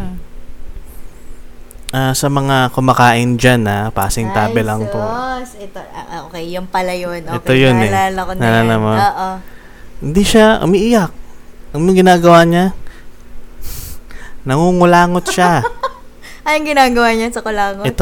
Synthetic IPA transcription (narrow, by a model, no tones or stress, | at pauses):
ʔaːsɐmɐŋakʊmɐkaːʔɪnd͡ʒanapa̰ːsɪŋt̪aːbɛlaŋposɛt̪oʔokɛjːʊŋpɐlɐjonʔoɛtojonɛalɐkonalalamamʔo | hɪnd̪iʃaʔʊ̰miʔɪjak̚ʔɐŋmʊŋɡɪnaːɡɐwaɲa | nɐŋuŋʊlaːŋot̪̚ʃa | ʔɐjoŋɡɪnaːɡɐwaɲasɐkʊlaːŋoʔɛt̪o